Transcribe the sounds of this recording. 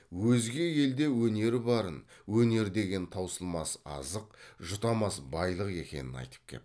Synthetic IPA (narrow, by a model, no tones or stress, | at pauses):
wɵzɡʲe̞je̞ld̪e̞wɵne̞ɾɪbɑɾənwɵne̞ɾd̪e̞ɡʲe̞nt̪ʰɑwsəlˠmɑsɑ̰zəqʒʊt̪ɑmɑsbɑjlˠəqe̞̰kʲe̞̰nɪnɑ̰jt̪ə̥p̚kʲʰe̞̰